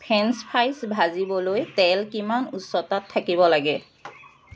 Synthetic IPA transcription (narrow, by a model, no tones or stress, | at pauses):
pʰɛnspʰajsbʱazibɔlojtɛlkimanusːɔtatʰːakibɔlaɡɛ